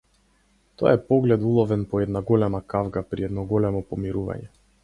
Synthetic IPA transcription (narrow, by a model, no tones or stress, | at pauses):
t̪ɔja̰ɛpɔɡlɛd̪ulˠɔvɛnpɔɛd̪naɡɔlɛmakavɡapɾiɛd̪nɔɡɔlɛmɔpɔmiɾuva̰ɲɛ